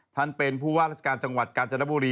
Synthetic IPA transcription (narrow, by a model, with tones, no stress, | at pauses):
t̪ʰa˥˩npe˧npʰuː˥˩waː˥˩ɾa˦˥˩t͡ɕʰa˧kaː˧nt͡ɕa˧ŋwa˨˩t̪̚kaː˧nt͡ɕa˧na˦˥buː˧ɾiː˧